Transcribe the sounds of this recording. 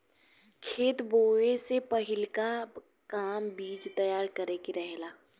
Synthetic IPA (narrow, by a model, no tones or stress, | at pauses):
kʰeːt̪boːesepɐɦɪlka | kaːmbiːd͡ʒt̪ɐjaːɾkəɾekiɾəɦɛlaː